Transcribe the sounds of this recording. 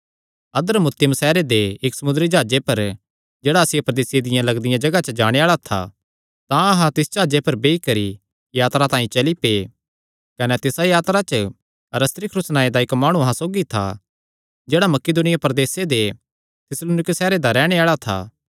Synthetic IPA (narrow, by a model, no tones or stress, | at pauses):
ɐd̪əɾmʊt̪ːɪjəmsɛːɾed̪eɪksɐmʊnd̪ɾid͡ʒaːd͡ʒepɐɾ | d͡ʒeːɽaɐsɪjepɾɐd̪eːsed̪ɪjãlɐɡd̪ɪjãd͡ʒɐɡat͡ʃəd͡ʒaːɽ̃eaːɭat̪ʰa̰ | t̪ãɐɦãt̪ɪsd͡ʒaːd͡ʒepɐɾbeːikɐɾi | jaːt̪ɾat̪ãːĩt͡ʃɐlipeː | kɐnɛt̪ɪsajaːt̪ɾat͡ʃə | ɐɾəst̪ɾikʰɾʊsnaːed̪aɪkmaːɽ̃ũɐɦãsoːɡit̪ʰa̰ | d͡ʒeːɽamɐkeːd̪ʊːnɪjapɐɾd̪eːsed̪e | t̪ʰɪsloːnɪksɛːɾed̪aɾɛːɽ̃eaːɭat̪ʰa̰ː